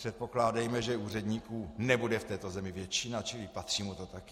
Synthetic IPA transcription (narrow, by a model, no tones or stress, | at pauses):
r̥ɛt̪̚po̞klaːdɛjmɛʒɛuːrɛdɲiːkuːnɛbudɛft̪ɛːt̪o̞zɛmɪvjɛt͡ʃɪnat͡ʃɪlɪpat̪r̝̥iːmut̪o̞t̪ak